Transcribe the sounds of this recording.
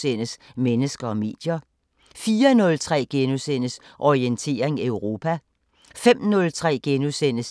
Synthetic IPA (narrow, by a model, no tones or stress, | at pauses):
sen̰əsmenəsɡ̥ɐɒ̽me̝̰ːd̥jɐ | fiːɐnɔ̽lt͡sʰʁɛ̰ːɡ̥enusenəsʔɒient͡sʰe̝̰ːɐe̝ŋeʊʁo̝ːpʰæ | fem̰nɔ̽lt͡sʰʁɛ̰ːɡ̥enusen̰əs